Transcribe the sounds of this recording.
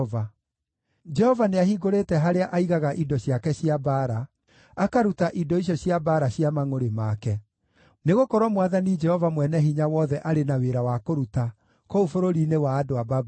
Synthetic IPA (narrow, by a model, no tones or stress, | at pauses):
a | d͡ʒɛhɔvaneahiɡoɾetɛɦaɾeaʔaiɣaɣaʔidɔɕjakɛɕiabaːɾa | akaɾutaʔidɔiɕ̬jɔɕjabaːɾaɕiamaŋoɾemakɛ | neɣokɔɾwɔmwaðanid͡ʒɛhɔvamwɛnɛɦiɲawɔðɛʔaɾenaweɾawakoɾuta | koufoɾoɾinewaːdoababu